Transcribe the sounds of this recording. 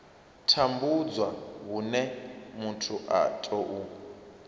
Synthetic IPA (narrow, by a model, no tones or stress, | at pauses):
tʰambud͡zwaɦunɛmutʰuʔa̰tʼɔʔu